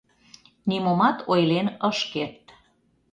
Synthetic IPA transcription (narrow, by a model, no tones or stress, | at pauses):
nimomɑt̪ʰojlenəʃkert̪